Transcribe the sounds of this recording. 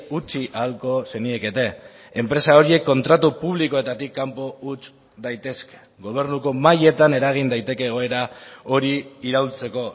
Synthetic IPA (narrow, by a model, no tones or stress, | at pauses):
ut͡ʃiʔalko̞se̞nieke̞t̪e̞ː | mpɾe̞sao̞ɾie̞kːo̞nt̪ɾat̪upuβ̞liko̞e̞t̪at̪ikːampo̞ut͡s | d̪ajt̪e̞ske̥ | ɡo̞β̞e̞ɾnuko̞maje̞t̪ane̞ɾaɣ̞ind̪ajt̪e̞ke̞ːɣ̞o̞e̞ɾao̞ɾiːɾawlt͡se̞ko̞